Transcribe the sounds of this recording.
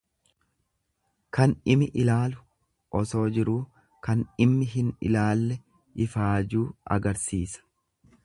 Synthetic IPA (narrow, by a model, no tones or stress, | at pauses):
kɐnɪmɪʔɪlaːlʊ̥ | ʔɔso̞ːd͡ʒɪɾuː | kɐnɪmːɪɦɪnɪ̰laːlːɛ | ɪfaːd͡ʒuːɐ̰ɡɐɾsiːsɐ̥